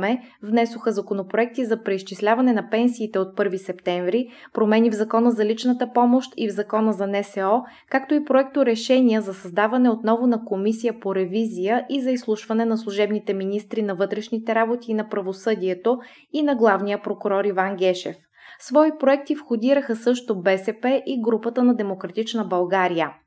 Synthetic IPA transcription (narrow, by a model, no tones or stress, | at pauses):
mɛvnɛsʊxəzɐkonopɾoɛk̚t̪izɐpɾɛist͡ʃislʲavɐnɛnɐpɛnsiːt̪ɛot̪̚pɤɾvisɛpt̪ɛɱvɾi | pɾomɛnivzɐkɔnəzɐlit͡ʃnət̪əpɔmoʃt̪ivzɐkɔnəzɐnɛsɛɔ | kakt̪oipɾoɛk̚t̪oɾɛʃɛnʲiəzɐsɐzd̪avɐnɛot̪nɔvʊnɐkomisijəpoɾɛvizijəʔizɐislˠuʃvɐnɛnɐslˠuʒɛbnit̪ɛminist̪ɾinɐvɤt̪ɾɛʃnit̪ɛɾabot̪iːnɐpɾɐvosɤd̪ʲiɛt̪o | inɐɡlˠavnijəpɾokuɾɔɾivaŋɡʲɛʃɛ̰f | svɔipɾoɛk̚t̪ifxod̪iɾəxəsɤʃt̪obɛsɛpɛʔiɡɾupət̪ənɐd̪ɛmokɾɐt̪it͡ʃnəbɐlˠɡaɾijə